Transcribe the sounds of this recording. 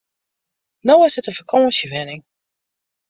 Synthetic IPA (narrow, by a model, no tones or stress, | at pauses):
nowɪsɪtəfəkʰɔ̃ːsjəvɪnɪŋ